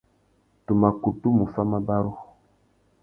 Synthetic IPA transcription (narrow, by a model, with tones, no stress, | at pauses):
tu˨ma˨ku˨tu˦mu˨fa˦ma˦ba˦ɾu˦